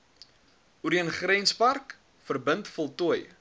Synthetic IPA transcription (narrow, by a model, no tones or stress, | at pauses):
uɾiənχrɛnspɐrk | fərbəntfɔlˠtuəj